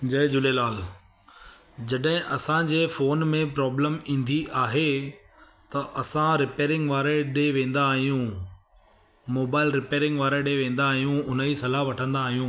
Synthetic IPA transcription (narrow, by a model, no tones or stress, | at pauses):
d͡ʑɐd͡ʑʊlelaːl | d͡ʑɐɗɦɪ̃ʔɐsãd͡ʑeːfoːnmẽpɾɔːbləmĩːnd̪iʔaːɦe | t̪ɐʔɐsãɾɪpeːɾɪ̃ŋɡʋaːɾeɗeːʋẽːn̆d̪aːɦijũ | moːbaːɪlɾɪpeːɾɪ̃ŋɡʋaːɾeɗeʋẽːnd̪aːɦijũʊnəisɐlaɦʋɐʈʰə̃nd̪aːɦijũː